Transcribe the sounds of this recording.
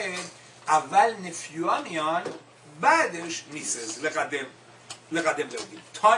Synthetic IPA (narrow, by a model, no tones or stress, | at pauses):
ed̪ | avalnefjuamion | bad̪eʃnisezleʁad̪em | leɣad̪emled̪imt̪ʰɔ